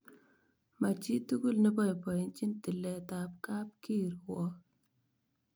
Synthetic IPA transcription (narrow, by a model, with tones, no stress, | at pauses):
ma˨t͡ʃi˦tu˦ɡu˦lnɛ˦bɔ˦jpɔ˨ji˨˦nt͡ʃi˦nti˨lɛ˨ta˨p̚ka˦p̚ki˦˨ɾwɔ˨˦